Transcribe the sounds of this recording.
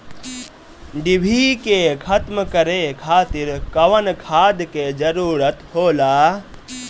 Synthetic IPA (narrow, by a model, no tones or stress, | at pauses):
ɖibʱiːkekʰɐt̪məkɐɾekʰaːt̪ɪɾkɐʋənkʰaːd̪ked͡ʒɐɾuːɾət̪hoːlaː